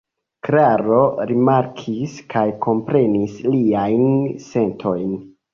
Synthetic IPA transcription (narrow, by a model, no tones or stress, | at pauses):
kɾaɾo̞ɾimaɾkʰiskʰajko̞mpɾe̞nisliajnse̞ntʰo̞jn